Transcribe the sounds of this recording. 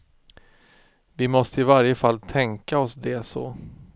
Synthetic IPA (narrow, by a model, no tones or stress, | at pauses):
vɪmɔst̪əɪvaɾjəfalːt̪ʰɛŋkaɔsd̪ɛsɔ̰